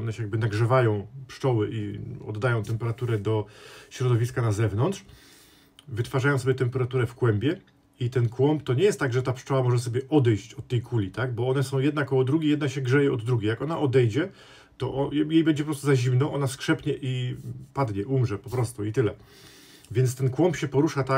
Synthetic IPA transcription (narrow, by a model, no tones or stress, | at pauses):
ɔnɛɕɛjaɡ̚bɘnaɡʐɛvajɔ̃w̃pʂt͡ʂɔwɘʔiɔ̰d̪ːajɔ̃w̃t̪ɛmpɛɾat̪uɾɛd̪ɔɕɾɔd̪ɔvʲiskanazɛvnɔnt̪ʂ | vɘt̪faʐajɔ̃sɔbʲjɛt̪ɛmpɛɾat̪uɾɛfkwɛmbʲjɛ | it̪ɛnkwɔmpt̪ɔɲɛjɛst̪t̪aɡʐɛt̪apʂt͡ʂɔwamɔʐɛs̬ɔbʲjɛʔɔd̪ɛjɕt͡ɕɔt̪ːɛjkʰulʲit̪aɡbɔɔnɛsɔ̃w̃jɛd̪nakɔwɔd̪ɾuɡʲejɛd̪naɕɛɡʐɛjɛɔd̪ːɾuɡʲejakɔnaʔɔd̪ɛjd͡ʑɛ | t̪ɔʔɔjejbɛɲd͡ʑɛpɔpɾɔst̪uzaʑimnɔʔɔnaskʂɛpɲɛʔipad̪ɲɛʔumʐɛpɔpɾɔst̪uit̪ɘlɛ | vʲjɛnt̪st̪ɛnkwɔmpɕɛpɔɾuʂat̪a